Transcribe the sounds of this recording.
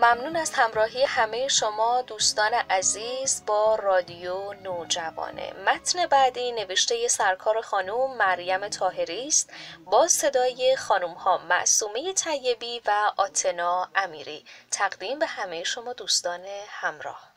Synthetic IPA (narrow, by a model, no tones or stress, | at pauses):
mæmnuːnæst̪hæmɾɒːɦije̞hæme̞je̞ʃomɒːd̪uːst̪ɒːne̞ʔæziːzbɒːrɒːd̪ijonoːd͡ʒævɒ̰ːnḛmæt̪ʰne̞bæd̪iːne̞veʃt̪e̞je̞sæɾkʰɒːɾe̞xɒːnuːmːæɾjæme̞t̪ʰɒːɦe̞ɾiːst̪bɒːse̞d̪ɒːje̞xɒːnumhɒːmæ̰ʔsuːmeje̞t̪ʰæjːe̞biːvæʔɒːt̪ʰe̞nɒːæmiːɾḭːt̪ʰæɣd̪iːmbe̞hæme̞jeʃo̞mɒːd̪uːst̪ɒːne̞hæmɾɒ̰ːh